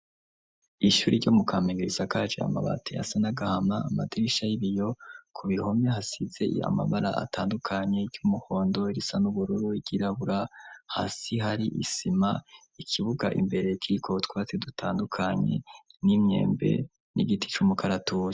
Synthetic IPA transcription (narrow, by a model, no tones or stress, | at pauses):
iʃuːɾiɾɟomukʰaːmiɡiɾizakad͡ʒea̰ma̰βa̰tʰea̰sanaɡahamaːmadɾiʃajiβijo̞kʰuβiho̞mɲehɦasize̞a̰ma̰βaɾa̰ʔa̰taːndukʰaɲe̞ɾɟumuho̞ːndo̞iɾisanuβuɾuɾuiɡ̥iɾaβuɾaha̰ːsiɦaɾiʔḭsima | ikʰiβuɡa̰ʔimbe̞ɾe̞kʰiɾikʰotwat͡sedutʰaːndukʰaɲe̞̰nimɲe̞̰ːmbe̞̰ | nḭɡiti̥t͡ʃumukʰaɾatuj